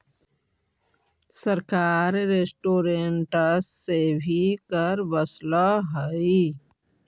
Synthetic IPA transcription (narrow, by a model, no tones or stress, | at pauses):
səɾkaːɾɾesʈoːɾeɳʈəsːebʱikəɾbəslaɦəi